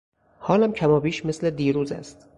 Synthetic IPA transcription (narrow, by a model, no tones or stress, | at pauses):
hɒːlæmcʰæmɒːbiːʃmesled̪iːɾuːzæ̰st̪